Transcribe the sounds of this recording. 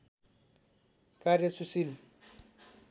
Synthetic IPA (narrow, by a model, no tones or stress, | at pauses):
kʼaɾesusil